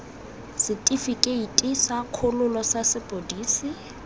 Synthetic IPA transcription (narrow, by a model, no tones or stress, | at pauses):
sɪtʼifikʼeitʼisakʰolʊlɔsasɪpʼodiːsɪ